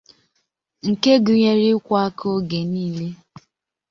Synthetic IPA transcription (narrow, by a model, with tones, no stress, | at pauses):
ŋ̩˨ke˦ɡʊ˨ɲe˨ɾi˦kʷa˦a˦kʰo˦ɡe˨niː˦le˦